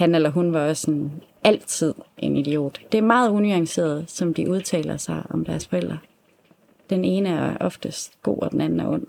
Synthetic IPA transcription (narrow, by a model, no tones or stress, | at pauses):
hænelɐɦunʋɑ̈ɒ̽sɒnæl̰t͡sʰið̞̰ˠʔe̝nidio̝̰ːd̥d̥e̝æɐmɑ̈ːð̞̩ˠunyɑ̈ŋse̝̰ːɐð̞ˠsɒ̽md̥iʔuð̞ˠt͡sʰɛ̰ːlɐsɑ̈ɪʔɒ̽md̥æɐsfɒ̽el̰d̥ʁɐ | d̥ene̝ːnəæɐʔɒ̽fd̥əsd̥ɡ̥o̝̰ːɒ̽d̥enænn̩æɐʔɔ̽n̰